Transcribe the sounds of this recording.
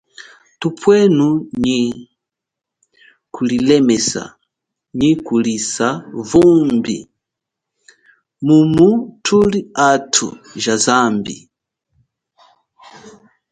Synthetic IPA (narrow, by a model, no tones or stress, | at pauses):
tupʰwɛnuɲi | kʰulilɛmɛsa̰ | ɲikulisavumbḭ | mumutʰuliatʰṵʒazambḭ